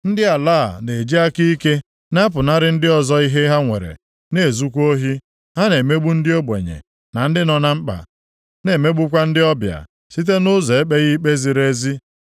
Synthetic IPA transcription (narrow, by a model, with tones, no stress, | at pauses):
n̩˦dɪ˦a˨laː˦˨ne˨d͡ʒi˦a˦ki˦i˦ke˦ | na˦p̬ʊ˨na˦ɾɪ˦n̩˦dɪ˦ɔ˨zɔ˦i˦ɦe˦ɦa˦ŋʷḛ˨ɾḛ˨ | ne˨zu˦kʷo˦ɦi˦ | ɦa˦ne˨me˦ɡ͡bu˦n̩˦dɪ˦o˦bʷḛ˨ɲḛ˨ | na˨n̩˦dɪ˦nɔ˨na˦m̩˦k͡pa̰˨ | ne˨me˦ɡ͡bu˦kʷa˦n̩˦dɪ˦ɔ˦bja̰˨ | si˦t̬e˦nʊ˦zɔ˨e˦k͡pe˦ɣi˦k͡pe˦zi˨ɾe˦zi˦